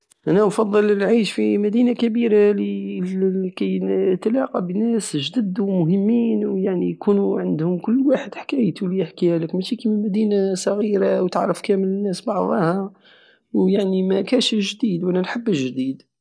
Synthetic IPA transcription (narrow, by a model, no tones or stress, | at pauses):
ʔænæfɑd̪ˤːələlʕiʃfimæd̪inakæbiɾali | kæjt̪lɑqɑbinæsʒd̪əd̪umʊɦəmːiːnwjaʕnijkunuʕənd̪hʊmkʊlːwaħəd̪ħḁkæjt̪ulijəħkiæləkmæʃikimənmæd̪inasˤɑɣiɾawt̪əʕɾəfkæmələnːæsbɑʕðˤɑhɑ | wjaʕnimækæʃəʒd̪iːd̪wʔænænħəbːəʃʒd̪id̪